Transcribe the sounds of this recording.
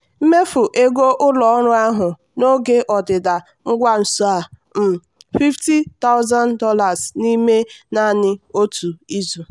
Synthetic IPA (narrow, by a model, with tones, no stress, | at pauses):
m̩˦me˦fʊ˨ʔe˦ɡo˦ʔʊ˦lɔ˨ɔ˦ɾʊ˦a˦ɦʊ˨ | no˦ɡe˦ʔɔ˨dɪ˨da˨ | ŋ̩˦ɡʷa˦n̩˨su˦a˨m̩˨ | fi˦fti˦ta˦ʊ˦za˦ndɔ˦la˨sni˦me˦na˦˨nɪ˦o˦tʰu˨i˦zu˨